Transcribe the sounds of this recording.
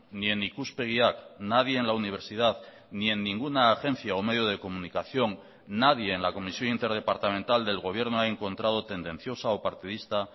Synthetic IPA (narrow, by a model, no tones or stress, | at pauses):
nie̞nikuspe̞ɣ̞iaknaðje̞ːnlauniβ̞e̞ɾsið̞að | nie̞nːĩŋɡunaːxẽ̞n̟θjaome̞ð̞joð̞e̞ko̞mũnikaθjo̞ŋ | naðje̞ːnlako̞misjo̞nint̪eɾð̞e̞paɾt̪amẽnt̪ald̪e̞lɣ̞o̞βje̞ɾnoae̞ŋkõ̞nt̪ɾað̞ot̪e̞nd̪ẽ̞n̟θjo̞sao̞paɾt̪iðist̪a